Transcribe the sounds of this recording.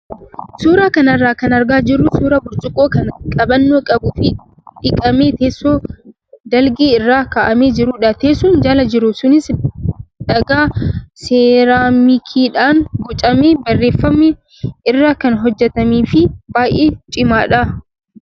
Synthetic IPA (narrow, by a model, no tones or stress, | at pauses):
suːɾaːkɐnɐrːaːkɐnɐɾɡaːd͡ʒɪrːʊsuːɾɐbʊɾt͡ʃʼʊkʼoːkɐnkʼɐbɐnːoːkʼɐbʊfɪ | ᶑɪkʼɐmeːt̪eːsːoː | d̪ɐlɡeːɪrːaːkaːʔɐmeːd͡ʒɪɾuːᶑɐt̪e̞ːsuːnd͡ʒɐlɐd͡ʒɪɾʊsʊnɪs | ᶑɐɡaːseːɾaːmikʰiːᶑaːŋɡɔt͡ʃʼɐmeːbɐrːeːfːɐmːɛ | ɪrːaːkɐnɦɔd͡ʒːɛt̪ɐmiːfɪbaːjʔeːt͡ʃʼɪmaːᶑɐ